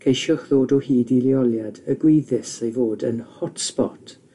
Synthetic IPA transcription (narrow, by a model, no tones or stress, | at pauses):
kʰejʃɔχðoːdɔhiːdiliɔlˠjadəɡwiðɪsejvoːdə̰nhɔtspɔ̰tʰ